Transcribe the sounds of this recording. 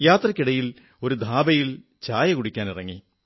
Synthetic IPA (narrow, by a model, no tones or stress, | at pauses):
jaːt̪rɐkʲːiɽɐjil | o̞ɾud̪ʱaːbɐjil | t͡ɕaːjɐkuɽikʲːaːnirɐŋːi